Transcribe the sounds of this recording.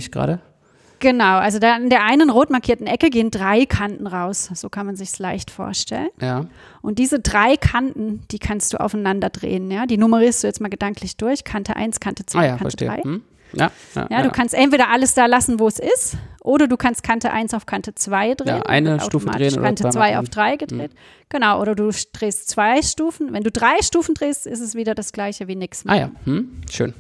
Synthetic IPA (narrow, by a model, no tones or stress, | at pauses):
ɪçɡ̥ʁa̰ːɾə | ɡ̥ənaʊʔalzodaːɪndeːɐʔaɪnənʁoːtmaɐkʰiːɐtn̩ʔɛkəɡeːəndʁaɪkʰantn̩ʁaʊsz̥oːkʰanmanzɪçslaɪçtfo̰ːɐʃtɛ̰lənjaː | ʔʊntd̥iːzədʁaɪkʰantn̩d̥iːkʰanstd̥ṵːʔa̰ʊaɪnandɐdʁḛːənjaːdiːnʊməʁiːɐstd̥uːjɛt͡stmaːlɡəd̥aŋkʰlɪçd̥ʊɐçkʰantʰəʔa̰ɪnskʰantə̥t͡svaɪkaɐtəḛʁaɪh̩ | ja̰ | jaːduːkʰanstʔɛntv̥eːɾɐʔaləsd̥aːlasn̩voːɛsɪstʔoːɾɐduːkʰanst̚kʰantəʔa̰ɪnsaʊfkʰantət͡sv̥aɪdʁa̰ːənʔa̰ɪnəaʊtuːoma̰ːteːno̰ːantət͡sv̥aɪʔa̰ʊd̥ʁaɪɡədʁḛːt | ɡ̥ənaʊʔoːɾɐduːd̥ʁeːstt͡sv̥aɪʃtuːfn̩vɛnduːdʁaɪʃtuːfn̩dʁeːstʔɪstɛsv̥iːdɐdasɡ̥laɪçəviːnɪkstma̰ja̰ːm̩ʃø̰ːn